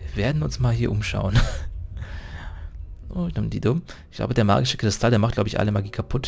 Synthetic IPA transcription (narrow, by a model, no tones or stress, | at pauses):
veːɐdn̩ʊnsmaːlɦiːɐʔʊmʃa̰ʊən | ʔoːnʊmdḭːdomɪçɡ̥la̰ʊbədeːɐma̰ɐɡɪʃə̥kʁ̥ɪstʰaldeɐmaχt̚laʊbəɪçʔa̰ləmaɡiːkʰapʰʊt